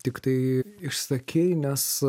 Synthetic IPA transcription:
t̪ʲɪkt̪ɐɪɪʃssɐkʲʰeːjnʲɛs

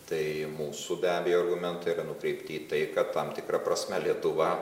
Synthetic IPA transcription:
t̪ɐɪmuːsubʲæːbʲejoːɐrɡʊmʲɛnt̪ɐiɾɐnʊkɾʲɛɪpʲt̪ʲɪːt̪ɐɪkɐt̪ːɐmt̪ʲɪkɾɐpɾɐsʲmʲɛlʲiɛt̪ʊʋɐ

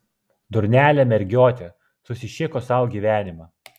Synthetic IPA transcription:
d̪ʊɾʲnʲæːlʲɛmʲɛɾʲɡʲoːt̪ʲɛ | sʊsʲɪʃʲɪkoːsɐʊɡʲiːʋʲæːnʲɪmɑ

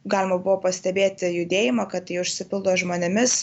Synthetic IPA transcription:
ɡɑːlʲɪmɐbʊʋoːpɐsʲt̪ʲɛbʲeːt̪ʲɪjʊd̪ʲeːjɪmɐkɐt̪iʊʃʲsʲɪpʲɪlˠd̪oːʒmoːnʲɪmʲɪs

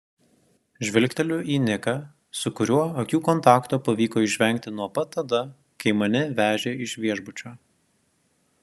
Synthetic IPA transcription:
ʒʲʋʲɪlʲkʲt̪ʲɛlʲʊʔiːnʲɪkɐ | sʊkʊɾʲuɔɐkʲuːkɔnt̪ɑːkt̪oːpɐʋʲiːkoːɪʃʲʋʲɛŋʲk̚ʲt̪ʲɪnuɔpɐt̪ːɐd̪ɐ | kɐɪmɐnʲɪʋʲæːʒʲeːɪʃʋʲiɛʒbʊt͡ʃʲoː

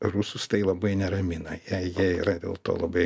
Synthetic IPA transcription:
rusʊst̪ɐɪlˠɐbɐɪnʲɛɾɐmʲɪnɐjɛjiɛiɾɐd̪ʲḛːlˠt̪o̰ːlˠɐbɐɪ

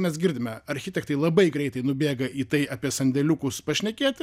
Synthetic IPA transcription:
mʲɛsɡʲɪɾʲd̪ʲɪmʲɛɐɾʲxʲɪt̪ʲɛkt̪ɐɪlˠɐbɐɪɡɾʲɛɪt̪ɐɪnʊbʲeːɡɐʔiːt̪ɐɪɐːpʲiɛsɐnʲd̪ʲɛlʲukʊspɐʃʲnʲɛkʲeːt̪ʲ

